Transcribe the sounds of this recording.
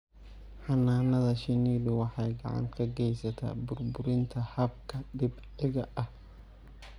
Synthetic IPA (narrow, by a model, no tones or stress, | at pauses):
ħɑnaːnɐðɐʃɪniːlʊwɑħɑjɡɑ̰ʕɑ̰ŋkʰɐɡɛjsɐt̪ʰa̰ːbʊrbʊɾɪnt̪ʰɐhɐb̚kʰɐdɪb | ɪɣɐʔɐh